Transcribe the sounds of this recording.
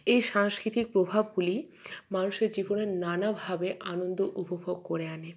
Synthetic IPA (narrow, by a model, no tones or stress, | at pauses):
ejʃaŋskɾit̪ik̚pɾobʱabɡuli | manuʃeɾd͡ʑiboneɾnanabʱabeʔanond̪oʔupobʱoɡ̚koɾeane